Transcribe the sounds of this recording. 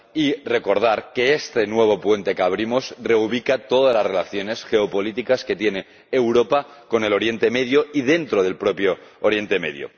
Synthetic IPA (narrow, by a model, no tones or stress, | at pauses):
ire̞ko̞ɾð̞aɾke̞est̪enwe̞β̞o̞pwe̞nt̪e̞kaβ̞ɾimosre̞uβ̞ikat̪o̞ðalasre̞laθjo̞ne̞sxe̞opo̞lit̪ikaske̞t̪jeneː | wɾo̞pa | ko̞ne̞lo̞ɾje̞nt̪eme̞ðjoið̞e̞nt̪ɾoð̞e̞lpɾo̞pjoːɾje̞nt̪e̞me̞̰ðjo̰